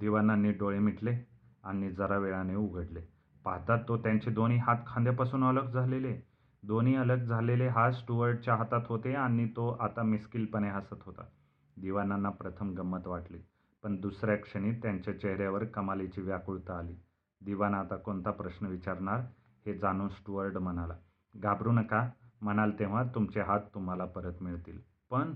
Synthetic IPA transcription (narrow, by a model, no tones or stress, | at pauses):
d̪iʋananːiːɖoɭemiʈle | aniːd͡zʱəɾaʋeɭaneuɡʱəɽle | paɦt̪at̪ːot̪jaɲt͡ɕed̪oniːɦat̪kʰãnd̪japasuːnələɡd͡zʱalele | d̪oniːələɡd͡zʱaleleɦasʈuʋəɾɖt͡ɕjaɦat̪at̪ɦot̪eanit̪oʔat̪amiskilpəneɦasət̪ɦot̪a̰ | d̪iʋanːanːapɾət̪ʰəmɡəmːət̪ʋaʈliː | pəɳd̪usɾjakʂəɽ̃iːt̪jaɲt͡ɕjat͡ɕeɦɾjaʋəɾkəmalet͡ɕiːʋjakuɭt̪aːliː | d̪iʋanat̪akont̪apɾəɕnəʋit͡ɕaɾɳaɾ | hed͡zañuːnsʈuʋəɾɖm̤ənala | ɡʱabɾuːnəkam̤əɽ̃alt̪eʋ̤at̪ːumt͡seɦat̪ːum̤alapəɾət̪miɭt̪iːl | pəɳ